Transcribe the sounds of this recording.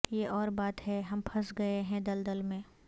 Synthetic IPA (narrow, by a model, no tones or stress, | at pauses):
jeʔɔːɾbaːt̪ɦɛɦɐmpʰɐsɡɐeɦɛ̃d̪ɐld̪ɐlmẽ